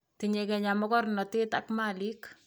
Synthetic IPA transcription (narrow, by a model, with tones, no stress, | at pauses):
tiɲekɛɲamɔ˦kɔ˦rnɔ˨tɪ˦ta̰˦kmali˦k